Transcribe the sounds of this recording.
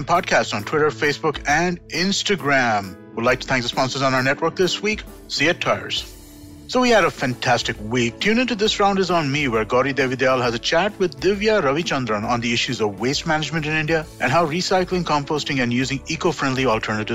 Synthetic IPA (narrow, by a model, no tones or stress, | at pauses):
npʰɔd̚kʰæstsntʰw̥ɪɾə˞feɪsb̥ʊkʰɛ̃nɪ̃nstɨɡɹæ̃m | wɪlaɪk̚tʰu̥t̪ʰæ̃ŋk̚ðəspɑ̃nsə˞znaʊ˞nɛtwə˞k̚ðɪswiːk | siɨtʰːaɪə̰˞z̥ | soʊwiɨɾəfæ̃ntʰæstɨkwik̚tʰjʉ̃ñɪ̃nʈud̪ɪsɹãʊ̃nɖɨzn̩miwəɹɡɔɾid̪evid̪elˠɦæzət͡ʃʰæt̚wɪd̪ːɪvjaɾʌvit͡ʃʌ̃nd̪ɾə̃nə̃nd̪iɪʃʉzɔvweɪst̚mænɨd͡ʒmə̃ntɨ̃nɪ̃nɖiəʔɨ̃nɦaʊɾisaɪklɪ̃ŋkʰɑ̃mpostɪ̃ŋɨ̃njʉːzɪ̃ŋikofɹɛ̃ndˡliɔlˠtʰɜ˞nəɾɨ